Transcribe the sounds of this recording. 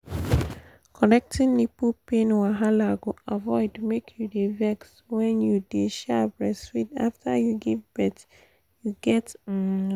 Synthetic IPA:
kʰɔnɛk̚tʰĩnnipupẽnwaɦalaɡoavɔɪdmekʰjudevɛks | wɛ̃njudeʃɛbɹɛswida̰ftʰəjuɡivbɛt | juɡɛt

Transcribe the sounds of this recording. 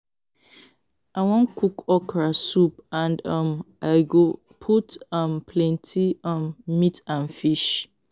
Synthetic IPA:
awɔ̃nkʰukɔkɹasupãndʌ̃m | aɡo | pʰutãmpʰlɛ̃ntʰiɔ̃mmitãnfiʃ

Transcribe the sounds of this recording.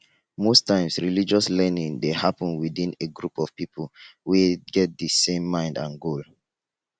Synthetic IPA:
mostãɪ̃msɹilid͡ʒɔslɛnĩŋdehapɔ̃nwidĩneɡɹupɔv̥pipəlweɡɛt̚dəsẽmːãɪ̃ndãnɡol

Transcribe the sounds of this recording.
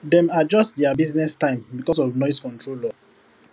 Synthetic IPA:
dɛ̃mad͡ʒɔstdɛabiznɛstãɪ̃mbikɔs̬ɔvnɔɪskɔ̃ntʰɹolɔ

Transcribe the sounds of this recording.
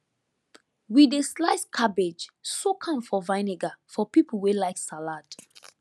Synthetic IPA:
wideslaɪskʰabed͡ʒsokʰãmfɔvãɪneɡafɔpipl̩ˠwelaɪksalad

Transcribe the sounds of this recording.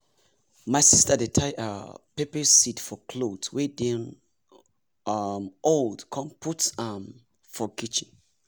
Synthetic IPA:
maɪsistədetʰaɪʔa̰pepɛsitfɔkʰlodswedĩn | amoldkʰɔ̃mpʰutam | fɔkit͡ʃĩn

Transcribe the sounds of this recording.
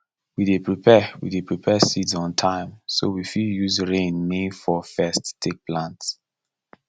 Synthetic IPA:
widepɹipɛwḭdepʰɹipʰɛsitzɔ̃ntʰãɪ̃msowifiljuzɹẽnːẽfɔfɛsttʰːek̚plãnts

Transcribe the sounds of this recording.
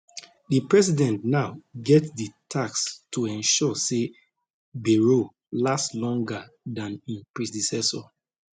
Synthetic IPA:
dipɹɛsidɛ̃ntnaʊɡɛtditʰakstʰuɛ̃nʃɔse | beɹo | laslɔ̃ŋɡadãnĩnpɹidisɛsɔ

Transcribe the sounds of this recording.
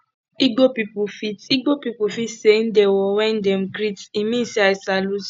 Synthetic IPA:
iɡopipufitiɡ͡bopipufitsen̩dewɔwɛn̩dɛmɡɾitimĩsiasalus

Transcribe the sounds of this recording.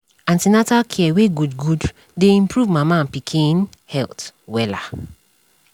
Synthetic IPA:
ãntinatalkʰiɛweɡudɡud | deĩmpɹuvmamãnpikʰĩn | hɛltwɛla

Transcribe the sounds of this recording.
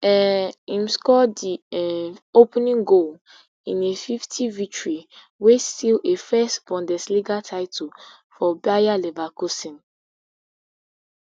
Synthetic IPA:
ɛĩmskɔdiɛopnĩŋɡol | ĩnefiftʰivik̚tɹi | westilefɛstb̥ɔ̃ndɛsliɡatʰaɪtʰɔl | fɔbajalɛvakosĩn

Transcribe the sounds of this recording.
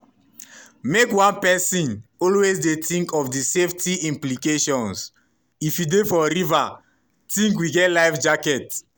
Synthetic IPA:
mekwãnpɛsĩnɔlwezdetĩŋkɔfdiseftiĩmplikeʃɔ̃ns | ifjudefɔɾiva | tĩŋkwiɡɛtlaɪfd͡ʒakɛt

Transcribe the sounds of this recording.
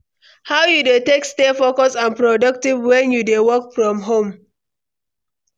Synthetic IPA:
hawjudetekstefokɔsãnpɹɔdʌk̚tivwɛ̃njudewɔkfɹɔ̃mɦõm

